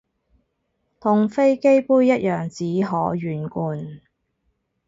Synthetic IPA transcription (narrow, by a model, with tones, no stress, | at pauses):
t̪ʰʊ˨ŋfe˥jke˥jpuː˥jːɐ˥t̚jœː˨ŋt͡siː˨˥ɦɔː˨˥ɥyː˨˩nkuː˨˧n